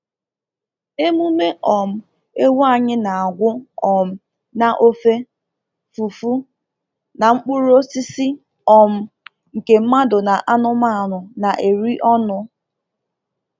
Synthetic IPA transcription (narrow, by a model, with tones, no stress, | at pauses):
e˦mu˦me˦ʔɔ˨m̩˦ | e˦wa˦˨ɲɪ˦na˨a˨ɡʷʊ˦ɔ˨m̩˦ | na˨ʔo˦fe˦ | fu˨fu˦ | na˨ŋ͡m̩˦k͡pʊ˦ɾo˦si˦si˦ | ɔ˨m̩˦ | ŋ̩˨ke˨m̩˦ma˦dʊ˨na˨ʔa˦nʊ˦ma˦˨nʊ˨na˨ʔe˨ɾi˦ʔɔ˦nʊ˦